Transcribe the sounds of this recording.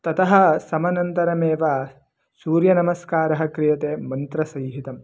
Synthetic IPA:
t̪ɐt̪ɐɦɐ̆sɐmɐnɐnt̪ɐɾɐmeːʋaː | suːɾjɐnɐmɐskaːɾɐɦɐ̆kɾijɐt̪eːmɐnt̪ɾɐsɐjɦit̪ɐm

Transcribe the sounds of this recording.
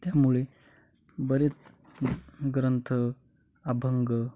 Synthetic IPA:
t̪jamuɭe | bəɾet͡s | ɡɾənt̪ʰə | abʱəŋɡə

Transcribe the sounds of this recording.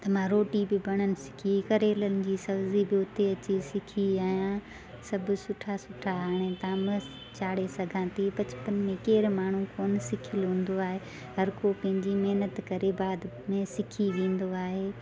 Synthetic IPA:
t̪ɐm̤ãɾoːʈibɪbɐɽ̃ənɪ̆sɪ̥kʰikɐɾeːlənɪ̆d͡ʑiːsɐbzibɪʊt̪eɐt͡ɕisɪkʰiaːjã | sɐbʱʊ̆sʊʈʰasʊʈʰaaːɽ̃ẽt̪aːmə | t͡ɕaːɽesɐɡʱãːt̪ʰipɐt͡ɕʊ̥pənmẽkeːɾmaːɳ̤ũkoːnɪsɪkʰɪlɦũːn̆d̪oaːɦe | ɦɐɾkopɐ̃ɦɪ̃ɲd͡ʑimɐɦnət̪kɐɾebaːd̪ | mẽsɪkʰiʋẽːn̆d̪oaːɦeː

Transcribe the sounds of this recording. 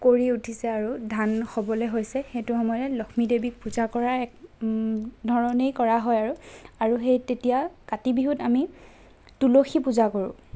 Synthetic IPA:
koɹiutʰisɛaɹudʱanxɔbɔlɛɦojsɛxetʊxɔmɔjɔtɛlɔxʰmidebik̚puzakɔɹaɛk̚ | dʱɔɹɔnejkɔɹaɦɔjaɹuaɹuxejtetijakatibiɦutami | tuloxʰipuzakoɹʊ̰̃

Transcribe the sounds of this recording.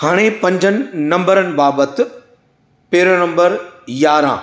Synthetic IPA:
haːɽ̃epɐ̃ɲd͡ʑʱənɪ̆nɐ̃mbəɾənɪ̆baːbət̪ | peːɾənɐ̃mbəɾjaːɾã̰ː

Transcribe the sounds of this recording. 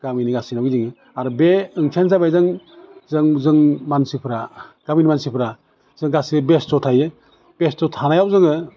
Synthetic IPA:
ɡ̥aminiɡasinawɡiziŋɯ | aɾbeɯŋkʰansabajzɯŋ | zɯŋzɯŋmansipʰɾaɡ̥aminimansipʰɾa | z̥ɯŋɡasibestɔtʰajɯ | b̥estɔtʰanajawzɯŋɯ

